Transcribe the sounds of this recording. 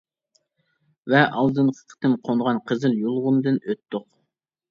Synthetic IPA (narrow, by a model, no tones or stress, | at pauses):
vɛʔɑlˠd̪ɨnqʰə̥qʰə̥t̪ɨmqʰonʁɑnqʰəzɨljolˠʁʊnd̪ɨnøt̪ːʊq